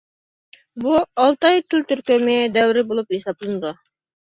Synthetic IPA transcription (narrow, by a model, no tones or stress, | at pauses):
buɑlˠt̪ɑjt̪ʰɪlt̪ʰyɾkʲømɪd̪ɛwɾɪbolˠuphesɑplˠɨnd̪u